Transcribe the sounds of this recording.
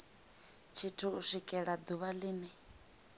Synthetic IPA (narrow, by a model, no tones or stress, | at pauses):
t͡ʃʰitʰuːʂikʼɛɺad̪uβaliːni